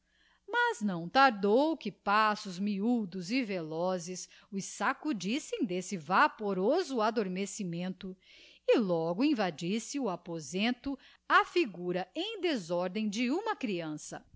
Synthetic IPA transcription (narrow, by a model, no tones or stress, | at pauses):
maznɐ̃w̃t̪aɾd̪owkɪpasʊzmiud̪ʊzɪvelɔzɪs | ʊsakud͡ʒisẽj̃d̪esɪvapoɾozʊad̪oɾmesimẽnt̪ʊ | ɪlɔɡʊĩvad͡ʒisɪʊapozẽnt̪ʊ | afiɡuɾɐẽj̃d̪ezɔɾd̪ẽj̃d͡ʒɪũmɐkɾiɐ̃sɐ